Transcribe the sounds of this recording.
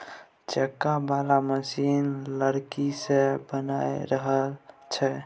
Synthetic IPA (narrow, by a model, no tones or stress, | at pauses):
t͡ʃəkːabalaməsinləɾkisebəna̰jɾəɦəlt͡ʃʰɛ